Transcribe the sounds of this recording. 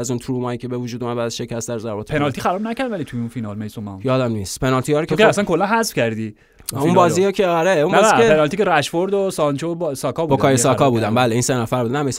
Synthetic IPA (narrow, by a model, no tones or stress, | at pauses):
æzunt̪ʰɾuːmɒːjicʰebevud͡ʒud̪umæd̪bæːd̪æzʃecʰæst̪æɾzæɾbɒːt̪pʰe̞nɒlt̪ixæɾɒːbnæcʰæɾd̪vælit̪ʰujunfinɒlmejsomæ̰jɒːd̪æmniːst̪pʰenɒlt̪ʰijɒːɾokʰekeæsænkʰolːænɦæzfcʲæɾd̪i | uĩnbɒːzijɑkʰeɒɾeunmniæeenɒlt̪iceɾæʃfoɾd̪osɒnt͡ʃʰobsɒkʰɒːbubodkʰɒːjesɒkɒːbuːd̪æmbæːleiːnsenæfæɾbuːd̪næmejs